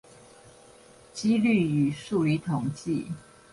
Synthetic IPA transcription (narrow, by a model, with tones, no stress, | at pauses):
t͡ɕi˦ly˥˨y˨˩ʂu˥˨li˧˥t̪ʰʊ˨˩ŋt͡ɕi˥˨